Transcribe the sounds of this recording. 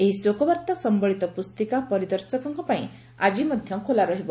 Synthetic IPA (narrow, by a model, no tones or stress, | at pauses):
eɦisokɔbaɾt̪asɔmbɔɭit̪ɔpust̪ikapɔɾid̪ɔɾsɔkɔŋkɔpaĩ | ad͡ʒimɔd̪ʱjɔkʰolaɾɔɦibɔ